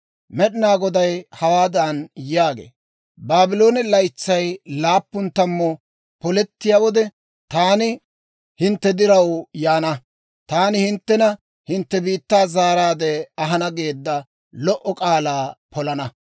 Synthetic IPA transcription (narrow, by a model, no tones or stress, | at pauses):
mɛɗɪnaːɡɔd̪ɐjhɐwaːd̪ɐnjaːɡḛː | baːbɪlo̞ːnɪlɐjt͡sːɐjlaːpːʊnt̪ːɐmːɔ | pɔlɛt̪ːɪjawɔd̪ɛ | t̪aːnɪ | hɪnt̪ːɛd̪ɪɾɐwjaːnɐ | t̪aːnɪhɪnt̪ːɛnɐ | hɪnt̪ːɛbiːt̪ːaːzaːɾaːd̪ɛɐɦɐnɐɡe̞ːd̪ːɐ | lɔʔɔkʼaːlaːpɔlɐnɐ